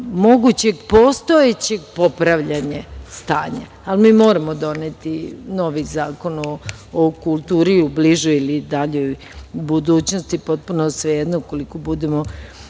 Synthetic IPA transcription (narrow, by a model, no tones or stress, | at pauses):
mo̞ɡut͡ɕeɡpo̞st̪oet͡ɕe̞ɡpo̞pɾaʋʎaɲast̪aːɲa̰ | almiːmo̞ːɾamod̪o̞net̪ino̞ʋizaːko̞noː | kulˠt̪uːɾiubliʒuilid̪aʎoj | bud̪uːt͡ɕnost̪ipo̞t̪̚punosʋejed̪noko̞liko̞bud̪emo